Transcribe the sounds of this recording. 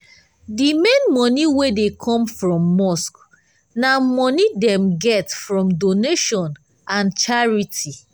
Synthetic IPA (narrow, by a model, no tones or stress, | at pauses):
dimẽnmɔniwedekʰɔ̃mfɹɔ̃mːɔsk | namɔnidɛ̃mɡɛtfɹɔ̃mdoneʃɔ̃n | ãnt͡ʃaɹitʰi